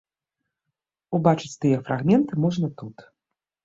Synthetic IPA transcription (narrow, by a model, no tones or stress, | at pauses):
ubat͡ʂɨt͡sʲt̪ɨjɛfɾaɣmʲɛnt̪ɨmɔʐnɐt̪ut̪